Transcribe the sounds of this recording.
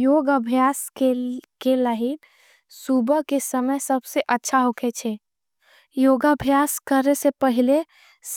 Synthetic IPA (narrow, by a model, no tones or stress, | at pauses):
joɡəbʱjaskekeləɦi | subəkesəməjsəbseʔətːʃʰaɦokʰet͡ʃʰɛ | joɡəbʱjaskəɾesepəɦile | s